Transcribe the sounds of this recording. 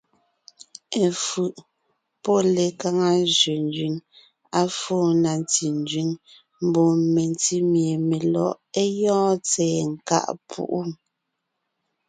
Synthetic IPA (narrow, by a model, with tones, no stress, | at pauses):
e˨fʉ˨ʔ | pɔ˦le˨ka˦ŋa˦zɥe˨n˦d͡ʒɥi˨ŋ | a˦foː˦˨na˨nti˨n˦d͡ʒɥi˨˦ŋ | m̩˨bɔ˨me˨nti˦mje˨me˨lɔ̰˦˨ʔe˦jɔ̃ː˦t͡sɛː˨ŋ̩˨ka̰˦ʔpʰṵ˦ʔu˦